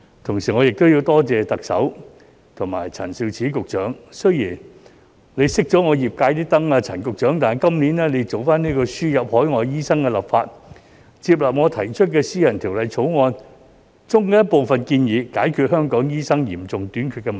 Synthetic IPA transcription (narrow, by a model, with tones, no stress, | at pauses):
t̪ʰʊ˨˩ŋsiː˨˩ŋɔː˨˧jɪ˨k̚t̪o˥wji˧wt̪ɔː˥t͡sɛː˨t̪ɐ˨k̚sɐ̰˨˥w | t̪ʰʊ˨˩ŋmaː˨˩jt͡sʰɐ̰˨˩nsi˧wt͡sʰiː˨˥kʊ˨k̚t͡ʃœː˨˥ŋsɵ˥ɥjiː˨˩n | le˨˧jsɪ˥k̚t͡ʃɔː˨˥ŋɔː˨˧jiː˨p̚kaː˧jt̪iː˥t̪ɐ˥ŋaː˧t͡sʰɐ˨˩nkʊ˨k̚t͡ʃœː˨˥ŋt̪aː˨jkɐ˥mniː˨˥nɛː˥le˨˧jt͡so˨wfaː˥niː˥kɔː˧syː˥jɐ˨p̚hɔː˨˥jŋɔː˨˧jjiː˥sɐ˥ŋkɛː˧lɐ˨˩pfaː˧t̚ | t͡siː˧p̬̚lɐː˨p̚ŋɔː˨˧t̪ʰɐ˨˩jt͡ʃʰɵ˥t̚kɛː˧siː˥jɐ˨˩nt̪ʰiː˨˩wlɐ˨˧jt͡sʰo˨˥wŋɔː˧n | t͡sʊ˥ŋkɛ˧˥jɐ˥t̚po˨wfɐ˨nkiː˧njiː˨˧kaː˨˥jkʰyː˨˧t̚hœː˥ŋkɔː˨˥ŋjiː˥sɐ˥ŋjiː˨˩mt͡sʊ˨ŋt̪yː˨˥nkʰy˨˧tkɛ˧m˨